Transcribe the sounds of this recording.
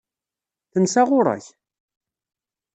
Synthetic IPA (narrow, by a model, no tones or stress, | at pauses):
θənsaʁʊɾˤa̰ç